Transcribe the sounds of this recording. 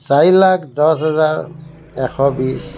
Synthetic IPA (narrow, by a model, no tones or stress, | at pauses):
saɹilakʰdɔsɦɛzaɹ | ɛkʰɔbis